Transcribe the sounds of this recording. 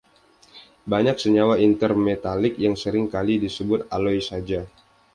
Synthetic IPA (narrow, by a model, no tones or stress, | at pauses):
baɲak̚səɲawaint̪ərmet̪alɪk̚jaŋsəɾɪŋkalidisəbʊt̪̚alɔjsad͡ʒa